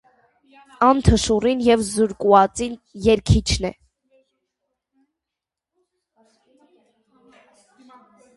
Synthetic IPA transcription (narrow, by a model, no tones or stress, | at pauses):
ɑnt̪ʰəʃurinjɛvzuɾkuɑt͡sinjɛɾkʰit͡ʃʰnɛ̰